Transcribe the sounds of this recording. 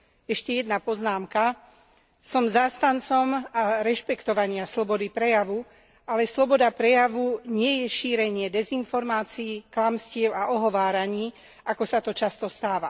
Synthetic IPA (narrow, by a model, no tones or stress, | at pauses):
ɛʃcɛjɛd̪napɔznaːmka | sɔmzaːst̪ant͡sɔmaɾɛʃpɛkt̪ɔʋaɲɪaslɔbɔd̪ipɾɛjaʋu | alɛslɔbɔd̪apɾɛjaʋuɲɪɛjɛʃiːɾɛɲɪɛd̪ɛzinfɔɾmaːt͡siːklamscɪɛʊaʔɔɦɔʋaːɾaɲiː | ʔakɔsat̪ɔt͡ʃast̪ɔst̪aːʋa